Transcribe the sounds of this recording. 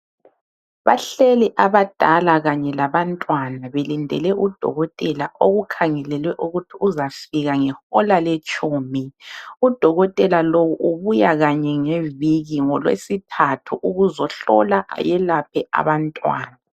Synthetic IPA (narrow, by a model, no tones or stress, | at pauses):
βa̰ɬɛlɛʔaβad̥ʱalaɣaɲɛlaβantʼwanaβelindʱɛ̰lɛʔud̥ʱɔ̰ɣɔtʼɛlaʔoɣukʰaŋɛlɛlwɛʔuɣutʰiuzafiɣaŋɛxɔlalet͡ʃʼuːmiud̥ʱɔɣɔtʼɛlalowuʔuβujaɣaɲɛŋeviɣiŋɔlwḛsitʰatʰuʔuɣuzɔɬɔ̰laʔa̰jɛlap̚ʰɛa̰βantʼwa̰ːna